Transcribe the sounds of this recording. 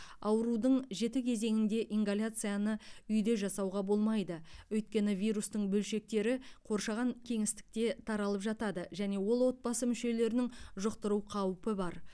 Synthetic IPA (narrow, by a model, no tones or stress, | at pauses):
ɑwəɾud̪əɴʒe̞t̪ɪkʲʰe̞ze̞ŋɪnd̪e̞ʔiŋɡalʲat̪sɨjanəʏjd̪e̞ʒɑsɑwʁɑbo̞lˠmɑjd̪əwɵjt̪̚kʲe̞nɪvʲijɾust̪əɴbɵlʃe̞k̚t̪e̞ɾɪqʰo̞ɾʃɑʁɑŋkʲʰe̞ŋɪst̪ɪ̥k̚t̪e̞t̪ʰɑɾɑlˠəpʒɑt̪ɑd̪əʒæne̞wo̞lˠwo̞t̪̚bɑsəmʏʃe̞le̞ɾɪnɪŋʒʊqt̪əɾuqʰɑwpəbɑɾ